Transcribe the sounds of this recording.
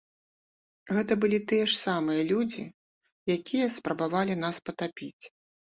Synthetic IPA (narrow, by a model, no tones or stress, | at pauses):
ɣɛt̪ɐbɨlʲit̪ɨjɛʂsamɨjɐlʲud͡zʲi | jakʲijɐspɾɐbavalʲin̪aspɐt̪apʲit͡sʲ